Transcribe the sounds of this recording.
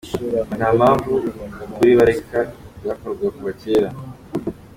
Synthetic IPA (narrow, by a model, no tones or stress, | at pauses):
namaːɱvukuɾiβaɾekaβjakoɾɡwakuβaceːɾa